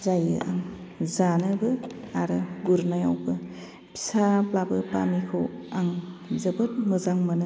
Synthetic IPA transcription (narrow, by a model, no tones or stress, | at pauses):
zajɯ̰ʔa̰ŋzanɯbɯaɾɯɡuɾnajawbɯ | pʰi̥saplabɯpa̰mikʰowaŋzɯbɯt̚mɯzaŋmɯnɯ